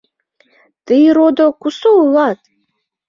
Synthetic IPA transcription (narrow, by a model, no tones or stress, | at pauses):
t̪ɨɾod̪okusoulˠɑt̪